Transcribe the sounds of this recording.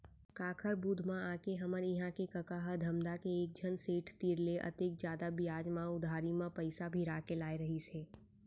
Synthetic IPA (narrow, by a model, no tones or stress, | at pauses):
kaːkʰəɾbuːd̪ʱmãaːkeɦəməɾɪɦãkekəkaɦəd̪ʱəmd̪akeːk̚d͡ʒʱənseːʈʰt̪iːɾleʔɐ̰t̪ek̚d͡ʒjaːd̪abɪjaːd͡ʒmãʊd̪ʱaːɾimãpəɪsabʱiɾaːkelaːeɾəɦiseː